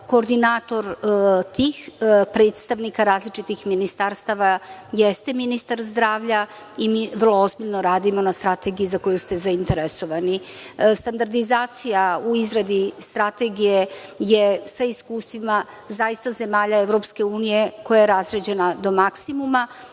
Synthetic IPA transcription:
ko̞ːɾd̪inaːt̪o̞ɾt̪ixpɾe̞ːt̪st̪aʋnikaɾaːzlit͡ʂit̪ixminist̪aɾst̪aʋajest̪eminist̪aɾzd̪ɾaːʋʎa | imiːvrlˠo̞ozbiʎno̞ɾaːd̪imo̞nast̪ɾat̪e̞ɡijizako̞just̪e̞zaint̪eɾeso̞ʋani | st̪and̪aɾd̪izaːt̪sijauizɾad̪ist̪ɾat̪e̞ɡijejesaiskuːst̪ʋima | zaist̪aze̞maːʎaeʋɾo̞pske̞uːnije̞ko̞jajeɾazɾed͡ʑe̞nad̪o̞maksimuma

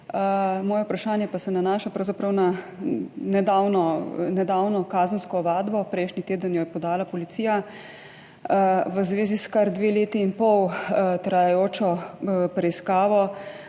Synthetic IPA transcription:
əmɔːjɛupɾaʃaːnjɛpasɛnanaːʃapɾɐwzapɾɐwna | nɛd̪aːwnɔnɛd̪awnɔkaːzənskɔʋaːd̪bɔpɾɛjʃnit̪eːd̪ənjɔjɛpɔd̪aːlapɔlit̪siːja | ʋəzʋeːziskaɾd̪ʋeːleːt̪iːnpɔwt̪ɾajajoːt͡ʃɔpɾɛiskaːʋɔ

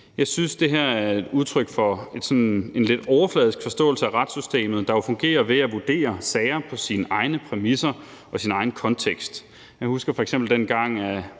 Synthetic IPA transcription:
jɑ̈ɪsynsd̥e̝ɦæɐ̰æɐɐe̝d̥uð̞ˠt͡sʰʁœɡ̥fɒ̽e̝d̥sɒ̽ne̝nle̝d̥ɒʊɐflɛð̞ˠisɡ̥fɒ̽sd̥ɔ̰̽ːl̩səæʁɑd̥sysd̥e̝̰ːmð̩ˠd̥ɑ̈jo̝fɔ̽ŋɡ̥e̝̰ːɐʋe̝æʋud̥e̝̰ːɐsɛɪɐpʰɒ̽sinəʔɑ̈ɪnəpʰʁɛmisɐ | ʔɒ̽sinɑ̈ɪn̩kʰɒ̽nt͡sʰeɡ̥sd̥ | jɑɪhusɡ̥ɐfɒ̽eɡ̥semb̥l̩d̥enɡ̥ɑ̈ŋ̰æ

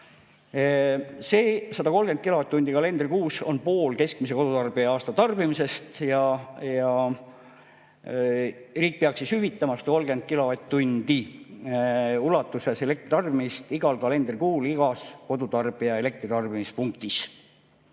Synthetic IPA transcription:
se̞ːsɑd̪̥ɑko̞lɡ̥enkilo̞ɑt̪t̪ːund̪̥ikɑle̞nd̪̥rikuːso̞npo̞ːlke̞skmis̬e̞ko̞d̪ut̪ɑrb̥iɑɑːst̪ɑt̪ɑrb̥imise̞st̪jɑjɑ | riːk̚peɑksishyvit̪ːˑɑmɑst̪ɑko̞lɡe̞nd̪̚kilo̞ɑt̪t̪ːund̪̥i | ulˑɑt̪ːˑuse̞sele̞k̚t̪rit̪ɑrbimist̪iɡ̥ɑlkɑle̞nd̪̥rikuːliɡ̥ɑsko̞d̪̥ut̪ɑrb̥iɑe̞le̞k̚t̪rit̪ɑrb̥imispuŋk̚t̪is

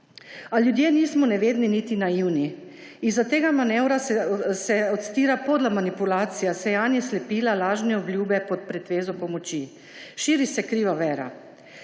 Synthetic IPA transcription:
aljud̪jeːniːsmɔnɛʋeːd̪ninit̪inaiwni | izːat̪eːɡamanɛwɾasɛɔt̪st̪iːɾapoːd̪lamanipulaːt̪sijasɛjaːnjɛslɛpiːlalaːʒnɛɔbljuːbɛpɔt̪̚pɾɛt̪ʋeːzɔpɔmɔt͡ʃi | ʃiːɾisɛkɾiːʋaʋɛːɾa̰

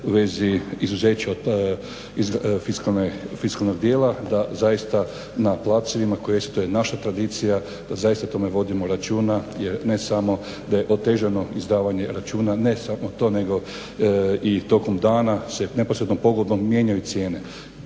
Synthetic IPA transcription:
uʋe̞ziizuze̞ːt͡ɕao | izfiskanefiskalˠnoɡ̚d̪je̞ːlad̪azajist̪a | naplˠaseʋimako̞jesi̥t̪ujenaʃat̪ɾad̪it̪sija | d̪̥azajist̪at̪o̞me̞ʋo̞d̪imoɾat͡ʃuːnajeɾne̞samo̞ | d̪aje̞ʔot̪e̞ʒeno̞izd̪aːʋaɲe̞ɾat͡ʃuːnanesamot̪o̞ne̞ɡo̞ | it̪o̞komd̪aːnasene̞posɾed̪nompoɡlod̪nomːje̞ɲajut̪sje̞ːne̞

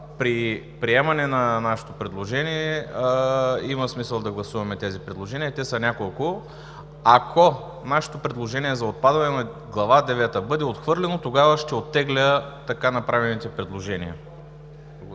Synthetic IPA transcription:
pɾi | pɾiɛmɐnɛnɐnaʃɛ̥t̪opɾɛd̪lˠoʒɛniɛ | imɐsmisəlˠd̪ɐɡlˠɐsuvɐmɛt̪ɛzipɾɛd̪lˠoʒɛniət̪ɛsɐnʲakolˠkʊ | ɐkʰo | naʃɛ̥t̪opɾɛd̪lˠoʒɛniɛzɐot̪̚pad̪vɐnɛnɐ | ɡlˠɐvad̪ɛvɛt̪əbɤd̪ɛot̪xvɤɾlɛnot̪oɡavəʃt̪ɛot̪ːɛɡlʲət̪ɐkanɐpɾavɛnit̪ɛpɾɛd̪lˠoʒɛnḭə

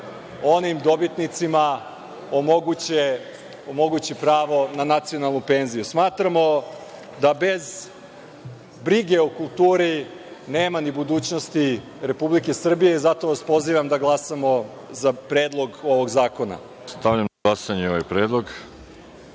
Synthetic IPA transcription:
o̞nimd̪o̞bit̪nit̪sima | omoɡue | omo̞ɡut͡ɕipɾaːʋo̞nanat̪sijo̞nalˠnupe̞ːnzijusmaːt̪ɾamo̞ | d̪abe̞z | bɾiɡe̞ukulˠt̪uːɾi | neːmanibud̪uːt͡ɕnost̪i | ɾe̞publike̞sr̩bije̞izat̪o̞ʋaspo̞ziːʋamd̪aɡlˠasamo̞ | zapɾeːd̪lˠo̞ɡo̞ʋo̞ɡzaːko̞na̰ | st̪aʋʎamnaɡlˠasaɲeo̞ʋajpɾeːd̪lˠoɡ

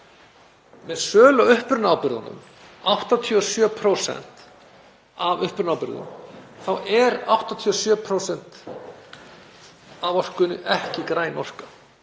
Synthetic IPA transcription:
mɛðsœːlœʏhpʏɾnaːwpɪɾðanʏ̰m | awht̪at̪ʰiɔsjœːpʰɾosɛ̰n̥t̪ | avʏhpʏɾnawpɪɾðʏ̰mθawɛɾawht̪at̪ʰiɔsjœːpʰɾowsɛn̥t̪ | avɔr̥kʏnːʏ̰ʔɛhcɪkɾaːjnɔr̥kḁ

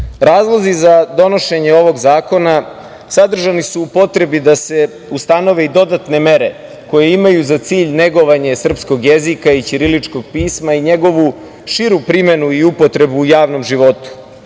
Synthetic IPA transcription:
ɾaːzlˠozizad̪o̞no̞ʃe̞ɲe̞o̞ʋo̞ɡzaːko̞na | sad̪r̩ʒanisuːpo̞t̪ɾe̞bid̪ase̞ | ust̪ano̞ʋe̞id̪o̞d̪at̪ne̞me̞ɾe̞ | ko̞je̞imajuzat̪siːʎne̞ɡo̞ʋaɲe̞sr̩psko̞ɡjezikait͡ʃiɾilit͡ʂko̞ɡ̚piːsmaiɲe̞ɡo̞ʋu | ʃiɾupɾime̞nuiupo̞t̪ɾe̞buːjaːʋno̞mʒiʋo̞t̪u̥

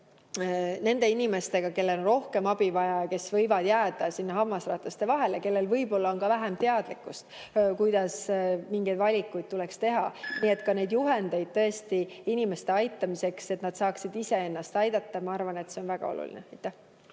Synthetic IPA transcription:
ne̞nd̪̥e̞inime̞st̪e̞ɡ̥ɑke̞lːe̞lonro̞hke̞mɑb̥ivɑjɑjɑke̞svɤjvɑd̪̥jæːd̪̥ɑsinːɑɦɑmːɑsrɑːt̪lɑst̪e̞vɑɦe̞ljɑke̞lːe̞lvɤjbo̞lːɑonkɑvæɦemt̪e̞ɑd̪̥likːˑust̪ | kujd̪ɑsmiŋɡejd̪vɑlʲikːˑujd̪̚t̪ulekst̪e̞ɦɑ̰nie̞t̪ːˑkɑne̞jd̪juɦe̞nd̪̥ejd̪̥̚t̪ɤ̞est̪iinʲime̞st̪eɑjt̪ːˑɑmise̞kse̞t̪nɑd̪̥sɑːksid̪ise̞e̞nːɑst̪ɑjd̪̥ɑt̪ːɑmɑɑrvɑne̞t̪se̞o̞nvæɡ̥ɑ̰o̰lṵlḭneɑjt̪ˑːæh

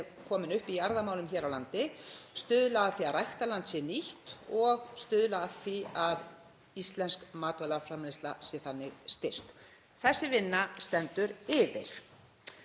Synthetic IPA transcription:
ɛɾ | kʰɔːmɪnʏhpiaɾðamaːwlʏmçɛːɾawlant̪ɪst̪ʏːðlaːðθiaðrajht̪alant̪sɛniht̪ɔɣst̪ʏːðlaθviað | ist̪lɛnskmaːt̪vɛlafɾamest̪la̰sjɛθanːɪɣst̪ɪr̥t̪ | θɛsːɪvɪnːast̪ɛnt̪ʏɾɪðɪ̰ɾ̥

